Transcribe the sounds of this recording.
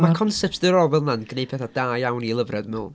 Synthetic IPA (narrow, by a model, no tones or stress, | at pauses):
makʰɔnsɛp̚tsdəɾɔvɛlˠnanɡ̥nejpʰɛθad̥aːjawnilˠəvrɛdmə